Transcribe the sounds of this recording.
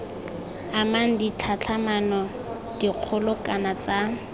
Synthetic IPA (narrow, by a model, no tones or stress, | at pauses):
amaŋ̩dit͡ɬʰat͡ɬʰamanɔ | d̥iq͡χʰʊlʊkʼanat͡sa